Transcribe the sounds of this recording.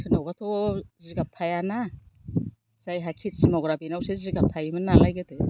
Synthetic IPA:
tʰɯnawbatʰɔziɡap̚tʰajana | z̥ajɦakʰit̚z̥imɔɡɾabinawseziɡap̚tʰajimɯnːalajɡɯtɯ

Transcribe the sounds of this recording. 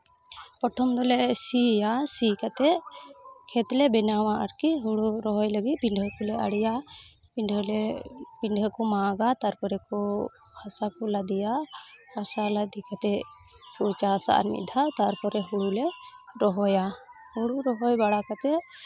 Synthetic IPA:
pɔʈʰɔmd̪ɔlɛsijasikat̪ɛ | kʰɛt̪lɛbɛnawaʔaɾkiɦuɽuɾɔɦɔjləɡipiɳɖʱəkɔlɛa̰ɽija | piɳɖʱɔlɛpiɳɖʱəkɔmaːɡat̪aɾpɔɾɛkɔ | bʱasakɔlad̪ijahasalad̪ʱikat̪ɛ | put͡ʃasa̰ʔa̰ɾmḭd̪ʱat̪aɾpɔɾɛɦuɽulɛɾɔɦɔja | huɽuɾɔɦɔjbaɽakat̪ɛ

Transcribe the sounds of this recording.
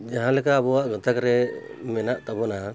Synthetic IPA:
d͡ʒaɦãlɛkaːbɔwaʔɡɔt̪akɾɛ | mɛnaʔt̪abɔna

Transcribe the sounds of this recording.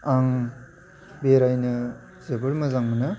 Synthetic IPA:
aŋ | beɾajnɯ | z̥ebɯɾmɐzaŋmɯnɯ

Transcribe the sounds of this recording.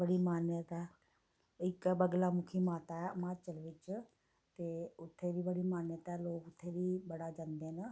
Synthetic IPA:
bəɽiːmaːnjət̪ɛː | ɪkbəɡlaːmʊkʰiːmaːt̪aːɛːmaːt͡ʃəlʋɪt͡ʃ | t̪eːʊt̪ʰːeːd̪iːbəɽiːmaːnjət̪ɛːloːkʊt̪ʰːeːʋiːbəɽaːd͡ʒãːnd̪eːnə

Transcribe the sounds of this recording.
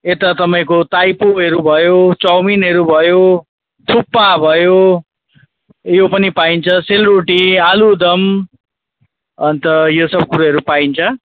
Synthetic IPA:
et̪ʌt̪ʌpaĩkot̪ajpoɦʌɾubʱʌjot͡sʌwminɦʌɾubʱʌjo | t̪ʰupːabʱʌjo | jopʌnipaint͡sʰʌselroʈialud̪ʌm | ʌnt̪ʌjosʌb̚kuɾaɦʌɾupaint͡sʰʌ

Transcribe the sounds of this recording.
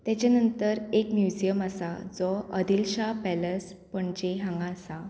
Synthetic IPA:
t̪jat͡ɕanənt̪əɾekmjud͡ʑijəmasad͡zɔəd̪ilɕapɛləs | pəɳt͡ɕeɦãŋɡãsa

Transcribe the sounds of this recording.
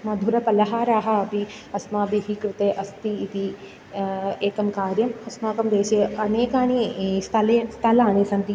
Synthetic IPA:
mãːd̪ʱuɾɐpɐlɐɦaːɾaːɦaɐbʱi | ɐsmãːbʱiɦikɾɪt̪eːʔɐst̪iːt̪i | eːkɐmkaːɾjɐmɐsmãːkɐmd̪eːt͡ʃeɐneːkaːnist̪ʰɐlest̪ʰɐlãːniːsɐnt̪i

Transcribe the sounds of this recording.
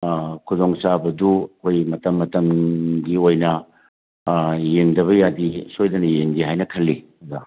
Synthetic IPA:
kʰudoŋsabɐduɐkʰojmɐtɐmːɐtɐmɡiojnɐ | jendɐβɐjadisojdɐnɐjendiɦajnɐkʰɐlːi | da

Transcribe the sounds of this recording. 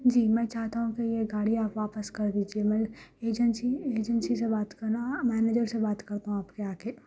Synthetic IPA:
d͡ʒiːmɛ̃ːt͡ʃaːɦt̪aɦũkijeɡaːɽiaːpʋaːpəskɐɾd̪iːd͡ʒiemɛleːd͡ʒənsieːd͡ʒənsisebaːt̪kɐɾnamɛːneːd͡ʒəɾsebaːt̪kɐɾt̪aɦũaːpkeaːkeː

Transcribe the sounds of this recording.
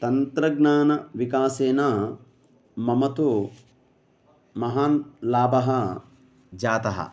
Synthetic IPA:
t̪ɐnt̪ɾɐɡnaːnɐʋikaːseːnaː | mɐmɐt̪u | mɐɦaːnlaːbɐɦɐ | d͡ʒaːt̪ɐɦɐ̰

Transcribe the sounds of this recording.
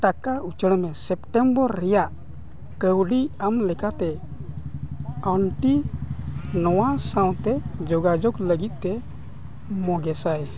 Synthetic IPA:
ʈakaut͡ʃəɽ̃mɛsɛp̚ʈɛmbɔɾːɛjaʔ | kəwɖiamlɛkat̪ɛ | ɔɳʈi | nɔwasaw̃t̪ɛd͡ʒɔɡad͡ʒɔkləɡit̪̚ˀt̪ɛ | mɔɡɛsaj

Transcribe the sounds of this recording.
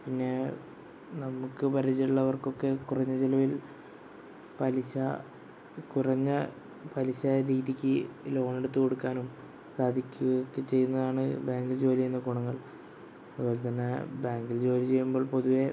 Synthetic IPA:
pinːe̞ | nɐmukːɨpɐɾɐt͡ɕːiuɭːɐʋɐrko̞kːe̞kurɐɲːɐd͡ʑilɐʋil | pɐliɕɐ | kurɐɲːɐ | pɐliɕɐɾiːðikʲːɨlo̞ːɳeɽut̪ːɨko̞ɽukːaːnum | saːd̪ʱikʲːuɣɐkːet͡ɕe̞jːunːɐðaːɳɨbaːŋɡild͡ʑo̞ːliejunːɐkuɳɐŋːɐɭ | ɐðɨpo̞ːlet̪ɐnːe̞baːŋɡild͡ʑo̞ːlit͡ɕe̞jːumbo̞ːɭpo̞ðuʋe̞

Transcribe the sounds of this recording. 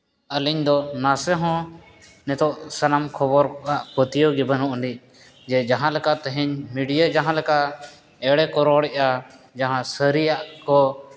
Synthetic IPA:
əliɲd̪ɔnasɛɦɔ̃ | nɛt̪ɔʔsanamkʰɔbɔɾkɔʔaʔkɔt̪ijɔɡɛbənɔʔnic | d͡ʒɛd͡ʒaɦãlɛkat̪ɛɦɛɲmiɖijad͡ʒaɦãlɛkaʔ | ɛɽɛkɔɾɔɽɛʔa | d͡ʒaɦãsəɾijaʔkɔ

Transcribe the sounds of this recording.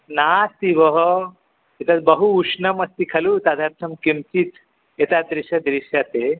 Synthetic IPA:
nasiʋəɦə | et̪at͡sbəɦuːʂnəməst̪ikʰɐlut̪ad̪ʱaɾt̪ʰəmkemt͡ɕit̪ | et̪ad̪ɾiɕad̪ɾiɕjat̪e

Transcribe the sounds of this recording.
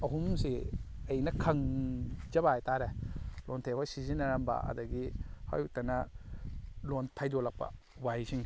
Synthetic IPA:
ɐɦumsiɐjnɐkʰɐŋd͡ʒɐbajtaɾelontʰehɔjsizinɐɾamba̰ʔɐ̰dɐɡiha̰jutɐnɐ | lontʰajdɔlɐk̚pɐ̰ | wajsiŋ

